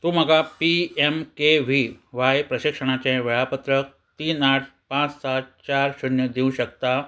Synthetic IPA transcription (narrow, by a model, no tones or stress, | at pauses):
t̪uːm̤əɡapiemkeʋiʋajpɾəɕikʂəɽ̃at͡ɕẽʋeɭapət̪ɾək̚ | t̪iːnaʈpãt͡ssat̪̚t͡ɕaɾɕunjəd̪ʱiũɕəkt̪a